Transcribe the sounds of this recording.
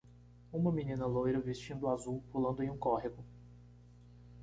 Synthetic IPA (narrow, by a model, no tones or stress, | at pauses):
ũmɐminĩnɐlojɾɐvist͡ʃĩnd̪ʊazuwpulɐ̃nd̪ʊẽj̃ũkɔɦeɡʊ